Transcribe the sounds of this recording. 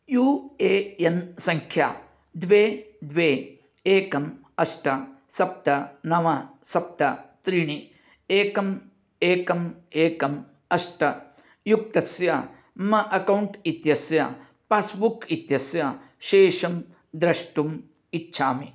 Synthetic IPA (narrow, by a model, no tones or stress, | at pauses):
juːeːensɐŋkʰja̰ː | d̪ʋeːd̪ʋeːeːkɐm | ɐsʈɐsɐp̚t̪ɐnɐʋɐsɐp̚t̪ɐt̪ɾiɳi | eːkɐm | eːkɐmeːkɐm | ɐsʈɐ | juk̚t̪ɐsjɐ | mɐʔɐkɐwɳʈit̪jɐsjɐ̰ | paːsbukit̪jɐsjɐʃeːʂɐm | d̪ɾɐʂʈum | itːʃʰaːmi